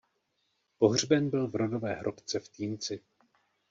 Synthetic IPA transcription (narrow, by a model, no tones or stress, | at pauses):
po̞ɦr̝bɛnbɪlvɾo̞do̞vɛːɦɾʔo̞pt͡sɛft̪iːnt͡sɪ